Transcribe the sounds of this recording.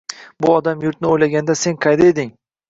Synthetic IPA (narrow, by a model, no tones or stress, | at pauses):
bʊɒd̪amjʊɾt̪nɪojlaɡʲand̪ase̞nqʰɑjd̪aed̪ɪŋ